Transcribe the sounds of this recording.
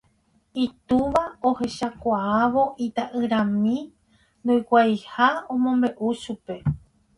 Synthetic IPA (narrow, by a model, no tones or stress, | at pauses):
it̪uʋaohe̞ʃakʷaaʋoʔit̪aʔɨɾãmĩ | nd̪ujkʷajhaõmõmbe̞ʔuʃupe̞